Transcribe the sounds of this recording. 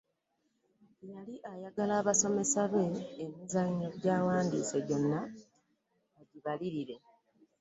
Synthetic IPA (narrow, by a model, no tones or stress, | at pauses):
jaliʔajaɡalaːβaso̞me̞saβe̞ːmizaɲːoɟaːwaːndḭːseɟo̞nːa | aɟiβaliɾiɾe̞